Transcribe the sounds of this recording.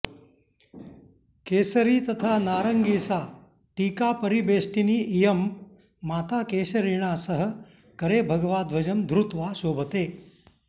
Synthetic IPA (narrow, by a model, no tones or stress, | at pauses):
keːsɐɾiːt̪ɐt̪ʰaːnaːɾɐŋɡiːsaː | ʈiːkaːpɐɾibeːsʈiniːʔijɐmː | aːt̪aːkeːsɐɾiɳ̃aːsɐɦə̆ | kɐɾeːbʱɐɡɐʋaːd̪ʋɐd͡ʒɐmd̪ʱɾut̪ʋaːʃoːbʱɐt̪eː